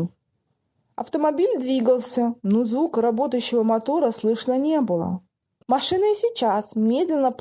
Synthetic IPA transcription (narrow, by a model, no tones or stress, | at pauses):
ɐ̰ft̪əmɐbʲilʲd̪vʲiɡəlˠsʲənozvukɾɐbo̞t̪əjʉɕːɪvəmɐt̪o̞ɾəslˠɨʂnənʲe̞bɨlˠə̰ | mɐʂɨnɨɪsʲit͡ɕasmʲe̞d̪lʲɪnːəp